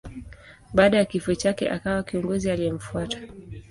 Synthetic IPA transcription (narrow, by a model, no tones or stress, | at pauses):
ɓaːɗajakifuɛt͡ʃakɛ̰ʔa̰kawakiɔŋɡɔzialijɛm̩fuatḁ